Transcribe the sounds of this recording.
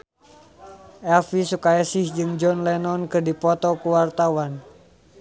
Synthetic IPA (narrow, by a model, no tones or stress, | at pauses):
ʔɛlfisukajasihd͡ʒɨŋd͡ʒɔnlɛnɔnkɨdipɔt̪ɔkuwart̪awan